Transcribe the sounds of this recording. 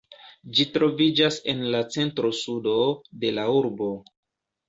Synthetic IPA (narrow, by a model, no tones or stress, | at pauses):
d͡ʒitɾo̞vid͡ʒase̞nlat͡se̞ntɾo̞sudo̞de̞lauɾbo